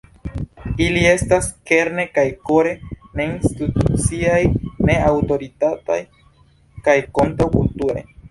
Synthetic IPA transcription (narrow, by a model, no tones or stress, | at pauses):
ilie̞staske̞ɾne̞kajkoɾe̞ne̞inst̪it̪ut͡siajne̞awto̞ɾit̪at̪a̰j | kajkont̪ɾakult̪uɾḛ